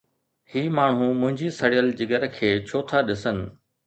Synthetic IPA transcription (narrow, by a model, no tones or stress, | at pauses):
hiːmaːɳ̤ɦumʊ̃ɦɪ̃ɲd͡ʑisɐɽijəld͡ʑɪɡəɾkʰeːt͡ɕʰoːt̪ʰaɗɪsənɪ̆